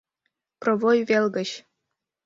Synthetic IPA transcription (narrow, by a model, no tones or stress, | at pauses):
prɤ̆vojvʲelʲɡə̆ɕ